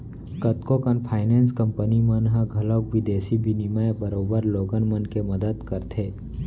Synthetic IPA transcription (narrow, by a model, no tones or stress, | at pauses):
kət̪kokənpʰaːɪnẽːnskə̃mpənimənɦãɡʱɐləwʋɪd̪eːsibʱinimajbəɾoːbəɾloːɡənmənkemɐd̪əd̪kəɾt̪ʰeː